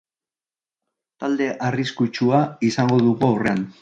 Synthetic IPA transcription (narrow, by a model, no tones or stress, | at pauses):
t̪ald̪e̞ʔariskut͡ʃuaisaŋɡo̞ðuɣuawre̞an